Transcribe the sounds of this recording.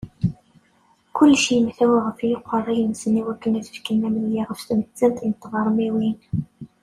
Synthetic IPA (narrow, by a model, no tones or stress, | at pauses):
kʊlːʃiəmθæwæʁəfjəqʷːərˤːijəmsəniwækːənæðə̥fkinːæmənjæʁəfst̪əmət͡sːænt̪nət̪ˤːvɑɾˤəmiwin